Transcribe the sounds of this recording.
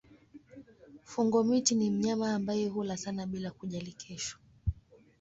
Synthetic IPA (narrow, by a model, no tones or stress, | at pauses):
fuŋɡɔmitinim̩ɲamaːmbajɛɦulasanaɓilakuʄalikʰɛʃḁ